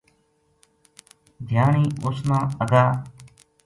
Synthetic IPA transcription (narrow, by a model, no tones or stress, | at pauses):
d̪ʱjaːɳiːʊsnãːəɡaː